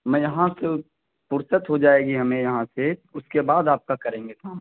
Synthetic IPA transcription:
mɛ̃ːjɐɦãse | pʊɾsət̪ɦod͡ʒaːeːɡiɦɐmẽjɐɦãseʊskebaːd̪aːp̚kakɐɾẽːŋɡet̪ʰãː

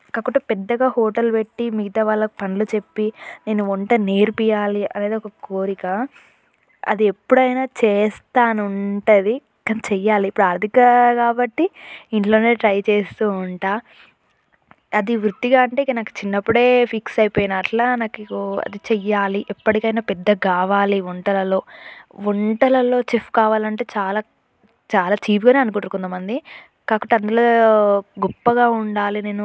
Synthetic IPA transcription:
kɐkːuʈːɐpɛd̪ːɐɡaːɦoːʈɐlpe̞ʈːimiɡit̪ɐʋaːɭːɐkupɐnlut͡ʃe̞pːine̞ːnuɔɳʈɐne̞ːɾupijaːliɐleːd̪iɔkɐkoːɾikɐ | ɐ̰d̪iepːuɽɐjnaːt͡ʃɛːst̪aːnuɳʈɐd̪i | kɐnt͡ʃɛjːaːliːpːuɽuɐɾd̪ʱikɐkaːbɐʈːiiɳʈloːneːʈɾɐjt͡ʃeːst̪uːuɳʈaː | ɐd̪iʋɾut̪ːiɡaːɐɳʈe̞ːikːɐnaːku̥t͡ʃinːɐpːuɽe̞ːpʰiksɐjipoːjnaːʈlaːnaːkiɐ̰d̪it͡ʃɛjːaːliʔɛpːɐʈikɐjnaːpɛd̪ːɐɡaːʋaːliʋɔɳʈɐlɐlo̞ːʋɔɳʈɐlɐlo̞ːt͡ʃifkaːʋaːlɐɳʈe̞ːt͡ʃaːlaː | t͡ʃaːlaːt͡ʃiːpɡaːneːɐnukuʈːukund̪ɐmɐnd̪i | kaːkɐʈːiɐnd̪ulo̞ːɡɔpːɐɡaːuɳɖaːline̞ːnu

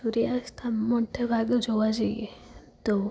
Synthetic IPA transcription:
uɾijast̪ʰamoʈʰəbʱaɡd͡ʒoʋad͡ʒaje | t̪o

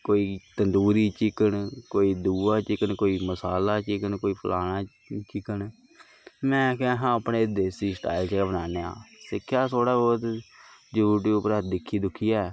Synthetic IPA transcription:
koːiːt̪ənd̪uːɾiːt͡ʃɪkəɳkoːiːd̪uːaːt͡ʃɪkəɳkoːiːməsaːlaːt͡ʃɪkəɳkoːiːpʰʊlʔaːnãː | t͡ʃɪkəɳ | mɛ̃ːkːɦãːəpneːd̪eːsiːsʈa̰ːɪlt͡ʃeːabənaːneːa̰ːsɪkʰːjaːt̪ʰoːɽaːbɔːt̪d͡ʒuʈ̬iːʊpəɾət̪̚d̪ɪkʰːiːd̪ʊkʰːiːjaɛː

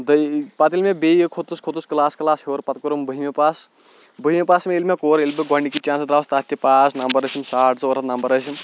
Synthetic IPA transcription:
d̪əpat̪ilmebejkʰot̪uskʰot̪usklaːskɐlaːshoɾpɐt̪̚koɾumbəɦimepas | bəɦimepaːsmeilmekoɾelbeɡɔɳikit͡ʃãːnsd̪ɾawst̪aːt̪ʰːjipasnɐmbɐɾɐsʰimsaʈ̚t͡sɐwɾɐt̪nɐmbɐɾəsim

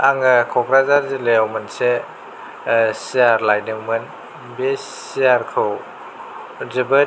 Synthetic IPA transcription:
aŋɯkʰɔkɾazaɾzelejawmɐnse | sijaɾlajdɯŋmɯn | bessijaɾkʰɾɔw | zibɐ

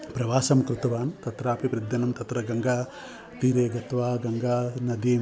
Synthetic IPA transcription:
pɾɐʋaːsɐmkɾut̪ɐʋaːnt̪ɐt̪ɾaːpʰipɾid̪jɐnɐmt̪ɐt̪ɾɐɡɐŋɡaː | t̪iːɾeːɡɐt̪ʋaːɡɐŋɡaːnɐd̪iː

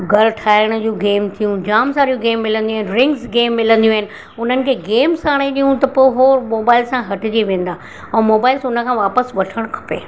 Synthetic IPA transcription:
ɡɐɾʈʰaːɪɽ̃ʊd͡ʑũːɡeːmt̪ʰijũd͡ʑaːmsaːɾijũɡeːmːɪlə̃nd̪iũaɦɪnɪɾɪ̃ŋɡsɡeːmːɪlə̃nd̪ijũaɦɪnɪ̆ | ʊn̤ənɪ̆kʰeːɡeːmsaːɽ̃eɗijũt̪ɐpoːɦoːɾmoːbaːɪlsãɦɐʈɪd͡ʑiʋẽːnd̪aː | ɛ̃ːmoːbaːɪlsʊnə̆kʰãʋaːpəsʋɐʈʰəɽ̃kʰɐ̥pḛː

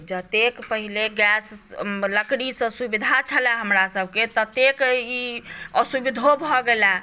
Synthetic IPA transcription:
d͡ʒət̪ekpəɦileɡɛsləkɽisə̃subid̪ʱat͡ʃʰəlɛɦəmɾasəb̚ʱket̪ət̪ekiəsubid̪ʱobʱɔɡela

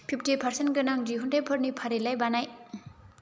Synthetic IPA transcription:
pʰip̚ʰtipʰaɾsenɡɐnaŋd͡ʒiɦuntepʰɯɾnipʰaɾelajbanaj

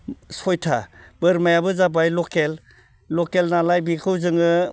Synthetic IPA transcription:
sɔjtʰab̥ɯɾmajabɯzabajlɔkel | lɔkelnalajbikʰɯwzɯŋɯ

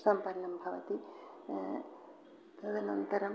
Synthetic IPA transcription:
sɐmpɐɾɐnɐmbʱɐʋɐ̰t̪i | t̪ɐd̪ɐnɐnt̪ɐɾɐm

